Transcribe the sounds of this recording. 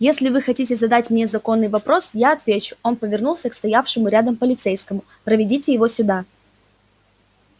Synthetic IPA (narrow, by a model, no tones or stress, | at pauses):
jesʲlʲɪvɨxɐtʲitʲɪzɐd̪atʲmnʲe̞zɐko̞nːɨjvɐpɾo̞sjaɐt̪vʲet͡ɕʊ̥o̞npəvʲɪrnulˠsʲəkst̪ɐjafʂɨmʊɾʲad̪əmpəlʲɪt̪sejskəmʊ | pɾəvʲɪdʲitʲɪjɪvo̞sʲʊd̪a